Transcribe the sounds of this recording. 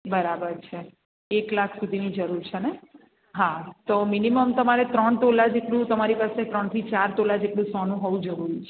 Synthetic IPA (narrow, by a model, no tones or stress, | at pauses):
bəɾabəɾt͡ʃʰe | eklakʰsud̪ʱinid͡ʒəɾuɾt͡ʃʰene | ɦat̪ominiməmt̪əmaɾet̪ɾəɳt̪olad͡ʒeʈlũt̪əmaɾipaset̪ɾəɳt̪ʰit͡ʃaɾt̪olad͡ʒeʈlũsɔnũɦɔʋũd͡ʒəɾuɾit͡ʃʰe